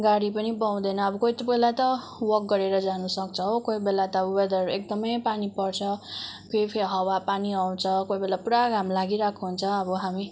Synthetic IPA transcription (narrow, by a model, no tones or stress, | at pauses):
ɡaɽipʌnibaw̃d̪ʌnʌːbʌkoit̪ʌbelat̪ʌ | wʌk̚ɡʌɾeɾʌd͡zanusʌkt͡sʰʌɦokojbelat̪ʌʌbʌbed̪ʌɾekd̪ʌmʌjpanipʌrt͡sʰʌkejpʰeɦʌwapaniaw̃t͡sʰʌkojbelapuɽaɡamlaɡiɾakʰuɦunt͡sʰʌʌbʌɦami